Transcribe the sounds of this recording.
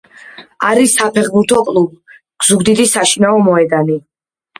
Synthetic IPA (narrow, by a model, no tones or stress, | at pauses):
aɾisapʰɛχbuɾt̪ʰɔkʼlˠub | ɡ̥z̥uɡd̪id̪isaʃinaɔmɔɛd̪ani